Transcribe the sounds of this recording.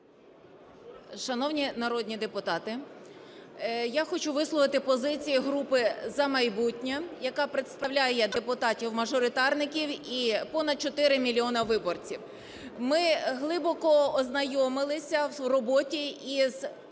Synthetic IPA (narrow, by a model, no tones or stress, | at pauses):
ʃɐnɔwnʲinɐɾɔd̪ʲnʲid̪epʊt̪ɑt̪ɪ | jaxɔt͡ʃuʋɪslˠɔʋɪt̪ɪpɔzɪt͡sʲijiɦɾupɪzɐmɐjbutʲnʲɐjɐkɑpɾet̪st̪ɐwlʲajɛd̪epʊt̪ɑtʲiwmɐʒɔɾɪt̪ɑrnɪkʲiwipɔnɐd̪̚t͡ʃɔt̪ɪɾɪmʲilʲiɔnɐʋɪbɔrt͡sʲiw | mɪɦlˠɪbɔkɔɔznɐjɔmɪlˠɪsʲɐrɔbɔtʲiiz̥